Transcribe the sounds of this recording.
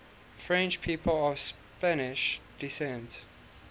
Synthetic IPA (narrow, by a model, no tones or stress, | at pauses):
fɹɛ̃nt͡ʃpʰiːpʰəlɔvs | pænɪʃd̥isɛ̃nt